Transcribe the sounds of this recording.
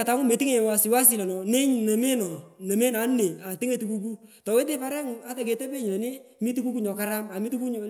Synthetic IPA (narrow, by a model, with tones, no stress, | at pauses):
a˨ta˦ŋʊ˦me˨ti˦ŋe˨wa˨sɪ˨wa˦s̬i˨la˨nɔ˨ne˦ɲ˨ne˨me˦nɔ˨ne˨me˦na˨˦nːe˨a˨ti˦ŋe˦˨tu˨ku˦k̬u˦tɔ˨we˦t̬ɪ˦pa˦ɾɛ˦ŋa˦ka˨ke˨tɛ˦pe˦ɲɔ˨ne˦mi˦tu˦ku˦ku˦ɲɔ˨ka˦ɾa˦ma˨mi˦tu˦ku˦ɲɔ˨